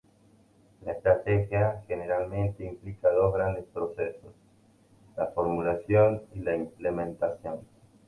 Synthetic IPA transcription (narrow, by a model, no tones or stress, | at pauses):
laest̪ɾat̪exjaxeneɾalmẽ̞nt̪eimplikaðo̞zɣɾand̪espɾosesos | lafoɾmulasjonilaimplemẽnt̪asjon